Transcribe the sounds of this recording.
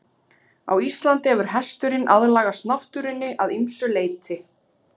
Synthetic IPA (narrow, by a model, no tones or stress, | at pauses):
a̰wist̪lant̪ɪɛvʏɾ̥ɦɛst̪ʏɾɪnʔaðlaːɣast̪naht̪ʏɾɪnːɪʔaðimsʏleːjt̪ʰɪ